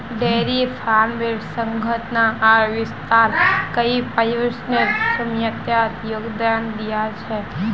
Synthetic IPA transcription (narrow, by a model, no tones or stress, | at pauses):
ɖeɾifʰanʋeɖsəŋɡʱət̪naʔːʋɪst̪aɾkəipəjəsnəɾsəmjət̪jat̪joɡd̪and̪ijat͡ʃʰe